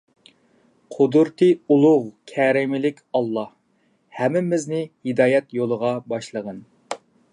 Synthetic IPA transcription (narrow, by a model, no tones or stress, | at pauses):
qʰʊd̪uɾt̪ʰɨulˠʊʁkʲʰɛɾɪmɪlɪkʲɑlˠːɑh | hɛmɪmɪznɪhid̪ɑːjɛt̪jolˠəʁɑbɑʃlˠəʁən